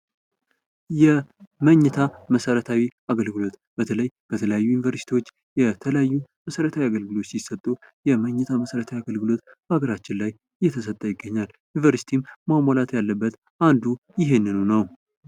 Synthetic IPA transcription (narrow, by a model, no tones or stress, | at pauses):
jɛməɲːɛt̪ʰaməsəɾət̪ʰawiaɡəlɡɨlo̞t̪b̥ət̪ʰələjb̥ət̪ʰələjajːujɪnvəɾsi̥t̪iwo̞t͡ʃː | jɛt̪ʰələjajːuməsəɾət̪ʰawiaɡəlɡɨlo̞t̪ːsjɪsːət̪ʼːu | jɛməɲːɛt̪ʰaməsəɾət̪ʰawiaɡəlɡɨlo̞t̪ | baɡəɾat͡ʃːɪnlaj | ɨjːɛt̪ʰəs̬ət̪ʼːəjɪɡːəɲːal | junvəɾsi̥t̪ʰimmamalat̪jalːəbːət̪ | ʔand̪ujɪɦe̞nːɨnunəw